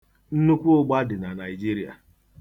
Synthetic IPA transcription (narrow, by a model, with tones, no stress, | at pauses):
n̩˦nu˦kʷu˦ʊ˦ɡ͡ba˦dɪ˨na˨na˨i˨d͡ʒi˦ɾi˦a̰˨